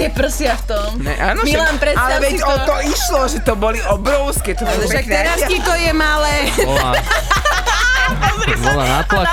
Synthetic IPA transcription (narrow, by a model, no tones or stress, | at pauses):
t̪ɛpr̩sɪaft̪ɔmɛʔaːnɔmilanpɾɛalaɛʋɛɔt̪ɔiʃlɔʒɛt̪ɔbɔliɔbɾɔʊskɛːt̪ɔbɔʃakɲɛɾaskikɔjɛmalɛː | bɔla̰na̰p̪la